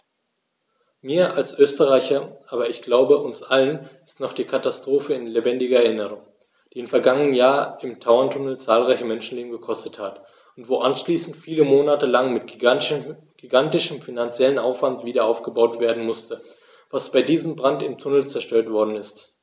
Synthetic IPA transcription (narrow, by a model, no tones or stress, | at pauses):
miːɐʔalsʔøːstəʁaɪçɐʔaːbɐɪçɡ̥laʊbəʔʊnsʔalənɪstnɔχd̥iːkʰatastʁ̥oːfəɪnlebɛndɪɡɐɛɐɪnəʁ̞ʊŋ | d̥iːɪmfɛɐɡaŋənənjaːɐɪmtʰaʊɐntʰʊnl̩t͡saːlʁaɪçəmɛnʃn̩leːbm̩ɡəkʰɔstəthat | ʊntv̥oːʔanʃliːsn̩tfiːləmoːnatəlaŋmɪt | ɡ̥iɡantɪʃəmfinant͡sjɛlənʔaʊfv̥antv̥iːdɐʔaʊfɡ̥əbaʊtv̥eːɐdn̩mʊstə | vasb̥aɪdiːzəmbʁantɪmtʰʊnl̩t͡sɛɐʃtøːɐtv̥ɔɐdn̩ɪst